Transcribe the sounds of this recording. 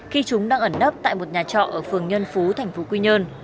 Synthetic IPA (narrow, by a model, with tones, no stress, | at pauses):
xi˧t͡ɕʊ˨˦ŋ͡mɗaː˧ŋʔə˧˩nːə˦˥p̚t̪a̰ː˧˨jmo˨˩t̚ɲaː˨˩t͡ɕɔ̰˧˨ʔəː˧˩fɨ˨˩əŋɲə˧nfu˨˦t̪ʰɛ˨˩ŋ̟fo˨˦kwi˧ɲəː˧n